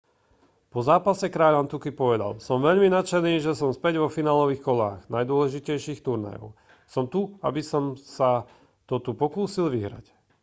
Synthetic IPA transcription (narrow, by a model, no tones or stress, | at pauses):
pɔzaːpasɛkɾaːʎant̪ukipɔʋɛd̪a̰lsɔmʋɛʎminat͡ʃɛniːʒɛsɔmspɛɟʋɔfinaːlɔʋiːxkɔla̰ːɣnajd̪ʊɔlɛʒicɛjʃiːxt̪uɾna̰jɔ̰ʊ | sɔmt̪ua̰bisɔmsa | t̪ɔt̪upɔkuːsilʋiɦɾa̰c